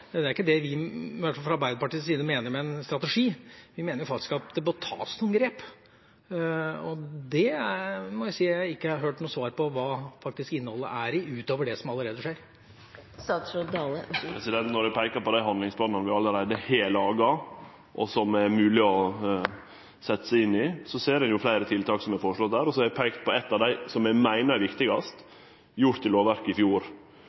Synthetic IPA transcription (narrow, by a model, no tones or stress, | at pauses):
d̪ɛæɾɪkːəd̪ɛʋɪɪʋæʈfɑlfɾɑɾbæɪd̪əpɑʈiːsiːd̪əmeːnəɾmɛɛnst̪ɾɑt̪ɛʂiːʋɪmeːnəjʊfɑkt̪ɪ̥skɑd̪ɛbɔt̪ʰɑ̰ːsnʊmɡɾeːp | ɔd̪ɛæmɔjæsiːæɪɪkːəhɑɦøːʈnuːsʋɑːɾpɔʋɑːfɑk̚t̪ɪskɪnːəhɔlːə̰ʔæɾɪʉːt̪oːʋəɖɛsɔmɑlːəɾeːd̪əʂeːɾ | sɑːt̪d̪ɑːləpʰɾɛsɪd̪ɛnt̪nɔɾæpʰæɪkɑpɔd̪æɪɦɑnd̪lɪŋspʰlɑːnɑnʋɪɑlːəɾæɪd̪əheːləɑːɡɑ | ʔɔ̰sɔmæɾmʉːlɪɔ | sɛt̪ːə̥sæɪɪnːɪsɔseːɾɛnjʊflæɪɾət̪ʰɪlt̪ʰɑːksɔmɛfɔʂlɔt̪̚d̪æːɾɔsɔɛɾæpʰæɪkt̪̚pʰɔɛt̪ːɑʋd̪æɪsɔmæmæɪnəɾʋɪkt̪ɪɡɑst̪ | jʊɾʈ̪ʰːɪloːʋæɾkəɪfjuːɾ